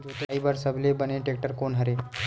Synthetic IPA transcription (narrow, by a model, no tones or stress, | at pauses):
d͡ʒot̪ibəɾsəblebəneʈek̚ʈəɾkonɦəɾe